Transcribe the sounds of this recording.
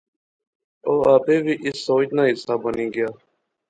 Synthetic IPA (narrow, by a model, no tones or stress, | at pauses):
oːaːbeːʋiːʔɪsːoːt͡ʃnãːɦɪsaːbəniːɡɪjaː